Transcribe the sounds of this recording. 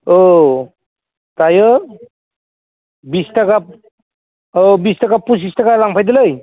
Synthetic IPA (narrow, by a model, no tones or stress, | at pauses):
o | tajɯ | bistakap̚ | obistakapus̬istakalaŋpʰajd̪ɯlɯj